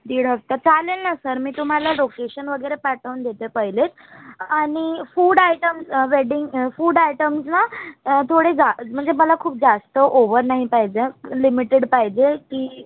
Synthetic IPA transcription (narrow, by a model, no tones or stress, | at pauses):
d̪iːɽ̤əkt̪at͡salelnasəɾmiːt̪um̤alalokeɕənʋəɡəɾepaʈəʋnd̪ʱet̪epəɦjlet̪ | aɽ̃ifuːɽajʈəmsʋeɽiŋɡfuːɖajʈəmsnat̪ʰoɽed͡zam̤əɳd͡zeməlakʰuːp̚d͡zast̪əʔoʋəɾnaɦipajd͡ʑelimiʈeɽpajd͡ʑekiː